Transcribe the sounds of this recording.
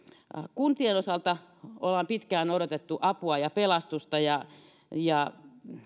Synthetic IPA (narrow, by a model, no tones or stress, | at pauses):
kunt̪ienosɑlt̪ɑolhɑmpit̪kæːnoɾot̪et̪ːuʔɑpuɑjɑpelɑst̪ust̪ɑjɑ | jɑ